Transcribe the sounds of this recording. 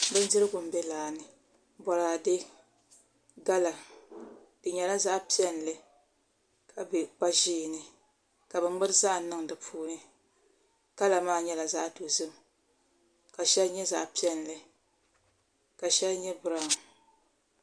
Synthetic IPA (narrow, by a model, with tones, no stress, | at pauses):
bɨ˦ndɪ˦ɾɨ˦ɡʊ˨m̩˨˦bɛ˦laː˨nɨ˨ | bɔ˨ɾaː˨dɨ˦ | ɡa˦la˨ | d̥ɨ˨ɲɛ˨la˦za˦pi˦ɛ˦n˨lɨ˨ | kʰa˨bɛ˨k͡pa˦ʒiː˦˨nɨ˨ | ka˨bɨ˨ŋ͡mɨ˦ɾɨ˦za˦˨˦nɨ˦ŋ˨dɨ˨pʰuː˦nɨ˦ | ka˦la˨maː˦˨ɲɛ˦la˨za˦do˨zɨ˦m | ka˨ʃɛ˦lɲɛ˦za̰˨pi˦ɛ˦n˨lɨ˨ | ka˨ʃɛ˦lɲɛ˦bɨ˦ɾa˦˨ŋ˨